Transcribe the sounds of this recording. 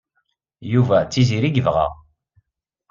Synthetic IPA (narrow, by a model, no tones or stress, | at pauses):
juvæt͡sːiziɾiɡəvʁæ̰ʁ